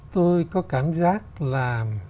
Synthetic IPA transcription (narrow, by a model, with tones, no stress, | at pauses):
t̪o˧jkɔ˨˦kaː˧˩mzaː˦˥k̚laː˨˩